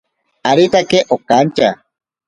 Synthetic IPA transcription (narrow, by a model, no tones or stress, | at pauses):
aɾit̪akeʔokːant͡ʃa